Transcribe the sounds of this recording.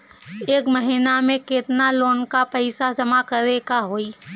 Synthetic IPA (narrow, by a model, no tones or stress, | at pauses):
eːkməɦinamẽkɪt̪naloːnkapɛɪsad͡ʒɐmakəɾekaɦoːi